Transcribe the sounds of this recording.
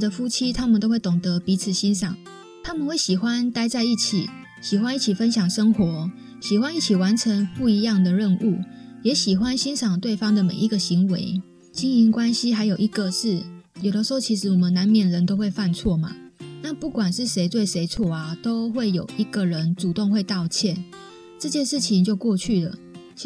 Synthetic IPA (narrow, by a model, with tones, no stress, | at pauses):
d̪ə˨fu˥t͡ɕʰi˦t̪ʰa˥mə˨nt̪o˥ʊxwe˥˩ɪt̪ʊ˨˩ŋt̪ɤ˧˦pi˧˥t͡s̩ʰ˨˩ɕi˦nʂɑ˨˩ŋ | t̪ʰa˦˥mə˨nxwe˥˩ɪɕi˨˩xwa˦nt̪a˥ɪt͡sa˥˧ɪi˥˩t͡ɕʰḭ˨˩ | ɕi˨˩xwa˥˦ni˥˩t͡ɕʰi˨˩fə˦nɕjɑ˨˩ŋʂə˦˥ŋxwɔ˧˥˦ | ɕi˨˩xwa˦ni˥˩t͡ɕʰi˨˩wa˧˦nʈ͡ʂʰə˧˦ŋpu˥˩i˧˥jɑ˥˩ŋd̪ə˨ɻə˥˧nʔu˥˩ | jɛ˧˥ɕi˨˩xwa˦nɕi˥nʂɑ˨˩ŋt̪we˥˩ɪfɑ˥ŋd̪ə˨mḛ˨˩ɪi˧˥ɡə˨ɕi˧˦ŋwḛ˧˦ɪ | t͡ɕi˦ŋi˧˥ŋkwa˦nɕi˦xa˧˥ɪjo˨˩ʊi˧˦˥ɡə˨ʂɻ̩˥˩jo˨˩d̪ə˦ʂ̩˧ho˥˧t͡ɕʰi˧˥ʂ̬ɻ̩˧˥wɔ˨˩mə˦na˧˥nmjɛ˨˩nɻə˧˦nt̪o˥ʊwe˥˧ɪfa˥˧nt͡sʰwɔ˥˨ma̰˩na˥˧˨pu˥˩kwa˨˩nʂɻ̩˥˩ʂe˧˥ɪt̪we˥˩ɪʂe˧˥ɪt͡sʰwɔ˥˩a˨t̪o˥ʊxwe˥˩ɪjo̰˨˩ʊʔi˧˥ɡ̥ə˨ɻə˧˦nʈ͡ʂu˨˩t̪o˥˧ŋxwe˥˧ɪt̪ɑ˥˧ʊt͡ɕʰjɛ˥˨n | ʈ͡ʂɤ˥˧t͡ɕjɛ˥˧nʂɻ̩˥˩t͡ɕʰi˧˦ŋt͡ɕjo˥˧ʊkwɔ˥˧t͡ɕʰy˥˩lə̰˩